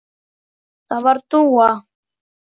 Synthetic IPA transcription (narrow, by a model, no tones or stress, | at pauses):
t̪aβaɾt̪uwa